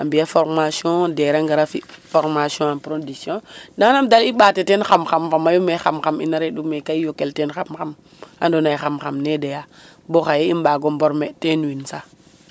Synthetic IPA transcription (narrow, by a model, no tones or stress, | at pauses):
ambijafoɾmasjõdeɾaŋɡaɾafifoɾmasɔ̃anpɾodisjõdanamdaliɓatetenxamxamfamajomexamxamḭnaɾeɗumekaijokeltenxamxam | a̰ndonaixamxamnedeja | boxajeimɓaɡomboɾmetenwinsa